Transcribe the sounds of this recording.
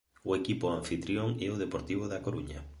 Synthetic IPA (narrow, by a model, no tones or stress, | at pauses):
ʊekipʊãɱfit̪ɾjoŋɛʊðepoɾt̪iβ̞oðakoɾuɲa